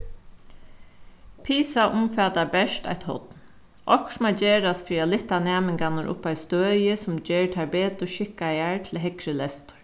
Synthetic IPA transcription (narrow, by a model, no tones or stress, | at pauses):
pʰiːsaʔʊmfɛːt̪abɛʂt̪a̰jt̪hɔ̰t̪n | ʔɔhkʊ̥smat̪d͡ʒeːɾast̪fiːɾalɪht̪ːanæːmɪŋkanəɾʔʊ̰pːajst̪øːjəsʊmd͡ʒeːɹt̪ʰaɹbeːt̪ʊʃɪhkːajaɹt̪ʰɪlɦɛkɾəlɛst̪ʊ̥ɹ̥